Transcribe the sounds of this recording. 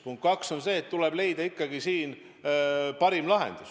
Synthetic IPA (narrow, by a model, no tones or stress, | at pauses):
puŋk̪̚kɑkso̞nse̞ːt̪ːule̞b̥le̞jd̪̥ɑikːɑɡ̥isiːn | pɑɾimlɑɦe̞̰nd̪̥us